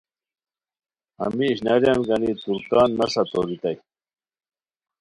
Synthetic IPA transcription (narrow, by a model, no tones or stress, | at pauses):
ɐ̰miːɕnaɾjanɡɐnit̪uɾkaːnːɐsɐt̪oɾit̪aj